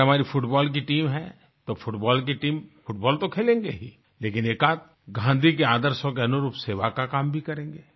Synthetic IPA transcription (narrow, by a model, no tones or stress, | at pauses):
ɦɐmaːɾifʰʊʈbɔːlk̬iʈiːmɦɛ̰̃ | t̪ofʰʊʈbɔːlk̬iʈiːmfʰʊʈbɔːlt̪okʰeːlẽːŋɡeɦiː | leːkɪneːkaːt̪̚ | ɡʱãːnd̪ʱikeaːd̪əɾsõkeɐnuɾuːpseːʋakakaːmbʱikɐɾẽːŋɡeː